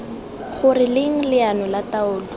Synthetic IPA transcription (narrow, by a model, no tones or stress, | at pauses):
χʊrɪlɪŋ̩lɪanɔlataʊːlɔ